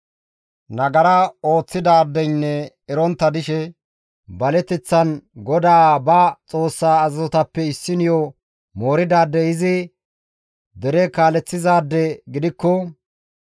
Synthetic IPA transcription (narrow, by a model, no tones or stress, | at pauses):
nɐɡɐɾɐo̞ːt͡sːɪd̪aːd̪ːɛjnːɛ | ɛɾɔnt̪ːɐd̪ɪʃɛ | bɐlɛt̪ɛt͡sːɐnɡɔd̪aːbɐt͡sʼo̞ːsːaːɐzɐzɔt̪ɐpːɛɪsːɪnɪjo | moːɾɪd̪aːd̪ːɛɪzɪ | d̪ɛɾɛkaːlɛt͡sːɪzaːd̪ːɛɡɪd̪ɪkːɔ